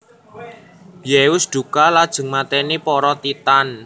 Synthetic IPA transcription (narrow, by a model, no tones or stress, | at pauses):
jewʊsd̪̥ṳkalad̥ʒ̥ə̤ŋmat̪ɛnipɔɾɔt̪it̪an